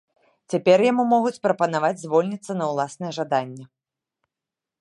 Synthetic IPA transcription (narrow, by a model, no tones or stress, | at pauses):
t͡sʲapʲɛrjamumɔɣut͡sʲpɾɐpɐnavad͡zʲzʲvɔlʲnʲit̪sːɐnɐwlˠasnɨjɛʐad̪anʲːɛ